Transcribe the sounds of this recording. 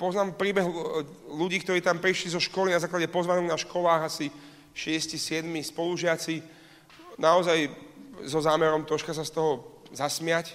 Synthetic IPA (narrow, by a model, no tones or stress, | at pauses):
pɔznaːmpɾiːbɛɦ | luɟiːk̚t̪ɔɾiːt̪ampɾiʃlizɔʃkɔlinazaːklaɟɛpɔzʋanɔɡnaʃkɔlaːɣasi | ʃɪɛscisɪɛd̪mispɔluʒɪat͡si | naɔzajzɔzaːmɛɾɔmt̪ɔʃkasast̪ɔɦɔzasmɪac